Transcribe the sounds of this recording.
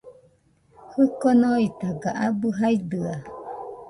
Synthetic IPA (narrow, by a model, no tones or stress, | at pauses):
hɯkonoit̪aɡaʔabɯɦajd̪ɯa